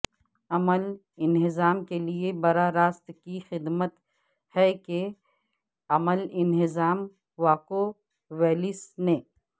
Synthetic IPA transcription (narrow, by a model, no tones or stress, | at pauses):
ɐməl | ɪnɦɪzaːmkeliebɐɾaɾaːst̪kixɪd̪mət̪ | hɛke | ɐməlɪnɪzaːm | ʋaːko | ʋɛːlɪsnẽ